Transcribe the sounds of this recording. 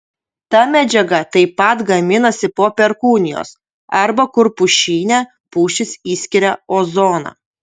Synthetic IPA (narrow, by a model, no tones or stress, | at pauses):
t̪ɐmʲæd͡ʒʲɛɡɐt̪ɐɪpːɐt̪ɡɐmʲɪnɐsʲɪpoːpʲɛɾkuːnʲɪjo̰ːs | ɐɾbɐkʊɾpʊʃʲiːnʲɛ | puːʃʲɪsiːsʲkʲɪɾʲɛoːzoːnɑ̰ː